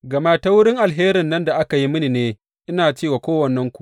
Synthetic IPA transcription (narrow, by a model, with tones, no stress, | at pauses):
ɡɐ˨maː˦ta˦wʊ˦ɽɪ˦ŋʔa˨lɦeː˦ɾɪ˨nːɐ˦nda˨ʔa˦ka˨ji˦mɪ˦ni˨neː˦ | ʔɪ˦naː˨t͡ʃeː˦˨waː˨kʷoː˦wɐ˨nːɛ˦ŋkʷu˨ʔ